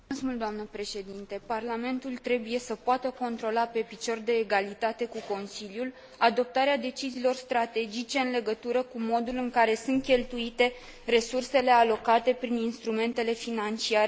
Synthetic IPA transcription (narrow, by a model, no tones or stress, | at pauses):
əsmuld̪oamnəpɾe̞ʃe̞d̪int̪e̞parlame̞nt̪ult̪ɾe̞buje̞səpoat̪əko̞nt̪ɾo̞lape̞pit͡ʃo̞rd̪e̞ːɡalit̪at̪e̞kuko̞nsiljul | ad̪o̞p̚t̪aɾead̪e̞t͡ʃiziːlo̞rst̪ɾat̪e̞d͡ʒit͡ʃe̞ɨnle̞ɡət̪uɾəkumo̞d̪ulɨŋkaɾe̞sɨnt̪̚kʲe̞lt̪uit̪e̞ | re̞surse̞le̞alo̞kat̪e̞pɾininst̪ɾume̞nt̪e̞le̞finant͡ʃiaɾe